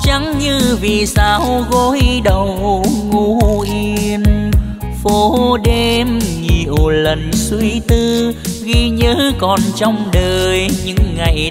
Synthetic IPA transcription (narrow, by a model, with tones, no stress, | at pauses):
t͡ɕa˨˦ŋɲɨ˧vi˨˩saː˧˩wɣo˧˦jɗə˨˩wŋu˧ʔi˧əən | fo˨˦ɗe˧mŋi˨˩ʔo˨˩lə˨˩nswi˧t̪ɨ˧ɣi˧ɲəː˧˦kɔ˨˩nt͡ɕɔ˧wŋ͡mɗəː˨˩jɲɨ̰˧˥ŋːa˨˩j